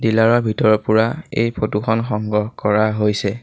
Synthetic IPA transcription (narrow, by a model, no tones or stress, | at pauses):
dilaɹɔɹbʱitɔɹɔpʊɹaḛjpʰotukʰɔnxɔŋɡɔɦkɔɹaɦojsɛ